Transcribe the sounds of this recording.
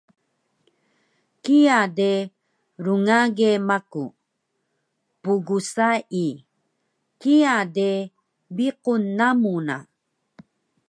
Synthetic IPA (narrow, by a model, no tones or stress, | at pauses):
kijade | ɾuŋaɡemaku | puɡusai | kiade | biqunːamuna̰